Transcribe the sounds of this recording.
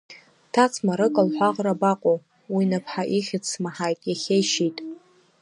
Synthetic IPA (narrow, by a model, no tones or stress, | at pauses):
tʰat͡sʰmaɾɨkʼalħʷaqʼrabaqʷʼo | winapʰħaʔiχʲɪt͡sʰsmaħajtʼjaχʲeʃitʼ